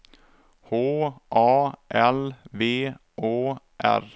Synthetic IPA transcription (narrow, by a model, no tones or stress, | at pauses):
hoːʔɑːʔɛlveː | ʔoː | ʔæ̰ɾ